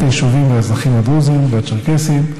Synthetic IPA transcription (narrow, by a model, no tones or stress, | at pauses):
teʃuvimveazaχimad̪uzimveat͡ʃaʁkesim